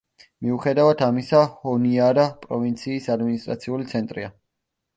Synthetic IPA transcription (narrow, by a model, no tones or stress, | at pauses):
miuχɛd̪avad̪ʰamisahɔniaɾapʼɾɔvint̪sʰiːsad̪minist̪ʼɾa̰t̪sʰiulit̪sʰɛnt̪ʼɾḭa